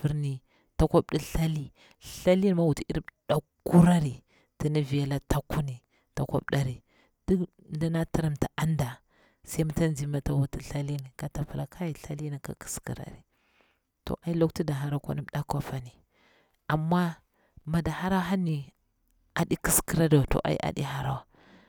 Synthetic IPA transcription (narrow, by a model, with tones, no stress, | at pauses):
fi˦ɾni˨ | ta˦kʷa˦bɗi˦ɬa˦li˦ | ɬa˦li˦n˦ma˦wu˨ti˦i˦ɾi˦ɗa˨ku˦ɾa˦ɾi˨ | ti˨ni˦vi˨ja˨la˦ta˦ku˦ni˨ | ta˨kʷa̰˦bɗa˨ɾi˨ | d̥u˦˨˦ | da˦na˦ta˦ɾa˨mta˨a˦nda˨ | sa˦m˦ta˦nd͡ʒi˨ma˦ta˨wu˨ti˦ɬa˦li˦n˨ka˨ta˨pa˨la˨kʰa˦ji˨ɬa˦li˦na˨ka̰˨ki̥˨˦skḭ˨ɾa̰˨ɾi˨ | to̰˨ʔa˨˦i˦lo˦kti˦da˨ɦa˨ɾa˦kʷa̰˦ni˦ɗa˦kʷa˦fa˨ni˨ | a˨mːa˦ | ma˨da˨ha˦ɾa˦wa˦ɦa˦ni˨ | a˨di˦ki˦ski˦ɾa˦da˨to̰˨ʔa̰˨ḭ˦ʔa̰˨ɗḭ˦ha˨ɾa˦wa˦˨